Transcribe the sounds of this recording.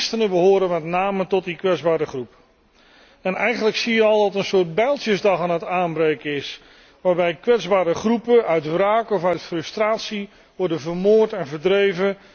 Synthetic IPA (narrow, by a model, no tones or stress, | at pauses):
stənəbəɦoːɾənmɛtnaːmətɔt̚dikʋɛdzbaːɾəχrup | ɛnɛjχənləksijəɑlˠdɑtənsʊːɹt̚bɛjlˠtəzdɑχaːnɦətaːnbrejkəɪs | ʋaːɹbɛjkʋɛdzbaːɾəχrupəʔœɥtraːkɔfœɥtfrɵstraːtsi | ʋɔɹdənvəɹmoːɹtɛnvəɹdrejvə